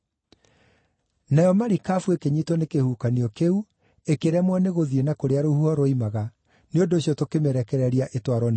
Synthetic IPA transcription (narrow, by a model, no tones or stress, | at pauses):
najɔmaɾikafuekeɲitɔnekehuːkaniɔkeu | ekeɾɛmwɛneɣoðienakoɾeaɾohuɔɾoimaɣa | neondoːsjɔtokemɛɾɛkɛɾɛɾiaʔetwaɾɔn